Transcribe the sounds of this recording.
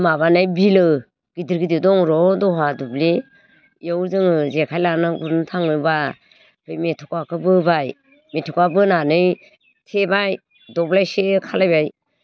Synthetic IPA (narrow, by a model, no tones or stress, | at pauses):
maβanajbilɯ | ɡ̥idiɾɡididɔŋɾɔdɔɦadubli | jawzɯŋɯzekʰajlanɯɡuntʰaŋnɯba | pʰɯjmetʰɔkakʰɯbɯbaj | metʰɔkabɯnanɯj | tʰebaj | dɔblajsekʰalajbaj